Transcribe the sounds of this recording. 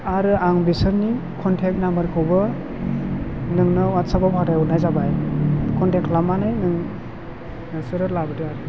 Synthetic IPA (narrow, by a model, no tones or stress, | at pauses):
aɾɯaŋbisɯnːikʰɔntʰek̚nambaɾkʰɯwbɯ | nɯŋnɯwatsabapʰadajunajzabajkʰɔntekʰlamanɯjnɯŋ | sɯɾɯtlabɯdɯ